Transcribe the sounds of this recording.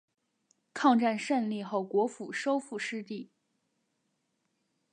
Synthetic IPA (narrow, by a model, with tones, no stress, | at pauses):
kʰɑ˥˧ŋʈ͡ʂa˥˧nʂə˥˧nli˥˧xo˥˩ʊkwɔ˧˥fu˨˩ʂo˥ʊfu˥˩ʂɻ̩˥˧t̪i˥˩